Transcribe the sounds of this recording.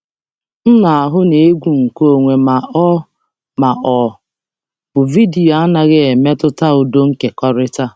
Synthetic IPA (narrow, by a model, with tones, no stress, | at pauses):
n̩˦na˨a˨ɦʊ˦ne˨e˦ɡʷu˦˨ŋ̩˨ko˦o˨ŋʷe˨ma˨ʔɔ˦ | ma˨ʔɔ˨ | b̥ʊ˨vi˦di˨o˨˦a˦na˨ɣɪ˦e˨me˦tʊ˦ta˦ʊ˨do˦ŋ̩˦ke˨kɔ˦ɾɪ˦ta˦